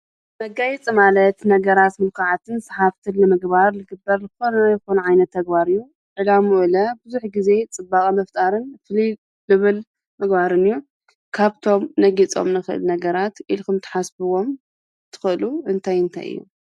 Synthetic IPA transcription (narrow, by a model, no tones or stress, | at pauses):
mɐɡajit͡sʼimalɐt̪nɐɡɐɾat̪mɨlkʰaʕat̪ʰɨnsaħaft̪ʰɨnlɨmɨɡbaɾlɨɡɨbːɐɾzɨxonɐjɨxonuʕajnɐt̪ʰːɐɡbaɾɨjːu | ʕɨlamuʔɨlɐbɨzuħɡize̞t͡sʼɨbakʼimɐft̪ʼaɾɨnfli | lɨβɨl | mɨɡbaɾɨnɨjːu | kʰaβt̪ʰo̞mnɐɡit͡sʼo̞̰mnɨxɨʔɨ̰lnɐɡɐɾat̪ʔilkʰumt̪ʰɨ̥ħasbɨwo̞m | t̪ʰɨ̥xɨluɨnt̪ʰajɨnt̪ʰa̰jɨ̰jːṵ